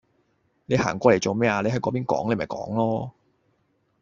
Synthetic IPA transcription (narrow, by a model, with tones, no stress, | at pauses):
ne˨˧jhaː˨˩ŋkʷɔː˧le˨˩jt͡so˨wmɛː˥aː˧le˨˧jɦɐ˨˥jkɔː˨˥piː˥nkɔ̰ː˨˥ŋle˨˧mɐ˨jkɔ̰ː˨˥ŋlɔː˥